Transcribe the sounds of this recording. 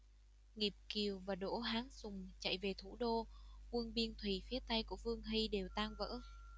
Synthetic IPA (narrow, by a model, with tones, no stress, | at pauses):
ŋi˨˩p̚ki˨˩əwvaː˨˩ɗo̰˧˥˩ɦaː˨˦ŋsʊ˨˩ŋ͡mt͡ɕa̰˧˨jve˨˩t̪ʰu˧˩ɗo˧kwə˧ənɓi˧ənt̪ʰwi˨˩fi˨˦ət̪a˧jku˧˩əfɨ˧əŋɦi˧ɗe˨˩wt̪aː˧ŋvə̰ː˧˥